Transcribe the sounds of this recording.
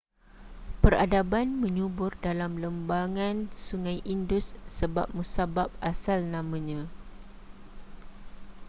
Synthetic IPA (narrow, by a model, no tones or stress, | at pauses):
pəra̰dabanmə̃ɲubʊrdalamləmbaŋãnsuŋãjʔindʊsːəba̰p̚musabap̚ʔasalnãmãɲã